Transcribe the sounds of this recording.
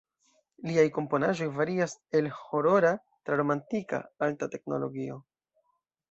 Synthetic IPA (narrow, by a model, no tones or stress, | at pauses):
liajko̞mpo̞naʒo̞jvaɾiase̞lho̞ɾo̞ɾa | tɾaɾo̞mantika̰altate̞kno̞̰lo̞̰ɡio̞